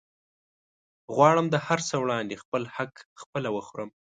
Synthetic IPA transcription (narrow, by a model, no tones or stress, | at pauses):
ɣwɑɽəmd̪əhaɾsəwɽɑnd̪expəlhakxpəlawəxuɾəm